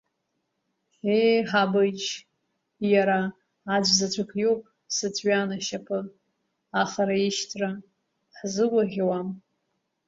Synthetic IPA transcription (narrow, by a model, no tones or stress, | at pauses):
ejħabɨt͡ʃ | jaɾaː | d͡ʒʷzat͡ɕʷʰakʰʼjopʼ | sɨt͡sʰʷʼɥanaʃapʰɨ | aχaɾaiʃtʰra | ħzɨwʷaʁʲwam